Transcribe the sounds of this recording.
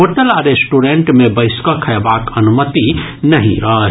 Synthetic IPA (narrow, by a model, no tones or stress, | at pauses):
ɦoːʈəlaːɾesʈuɖeɳʈmẽbəɪskakʰɐjbaːkɐnumət̪inɐɦĩɾɐɦɦ